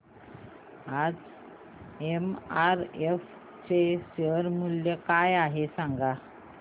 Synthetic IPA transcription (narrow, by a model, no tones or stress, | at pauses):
ad͡z | emaɾef | t͡seɕəɾmuljəkajaɦesãŋɡa